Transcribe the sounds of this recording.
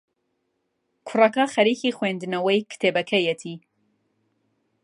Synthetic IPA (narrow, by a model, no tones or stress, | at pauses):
kʰʊrɐkɐχɐɾiːxixwend̪ɨnɐwɐjkʰɨ̥t̪ʰeːbɐkʰɐjɛt̪ʰi